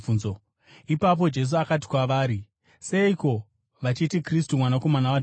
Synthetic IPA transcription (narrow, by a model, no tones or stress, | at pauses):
unzo | ipap̬o̞d͡ʒe̞s̬uakat̬i̥kwaʋaːɾi | se̞iko̞ | ʋat͡ʃitikristumwanako̞manawa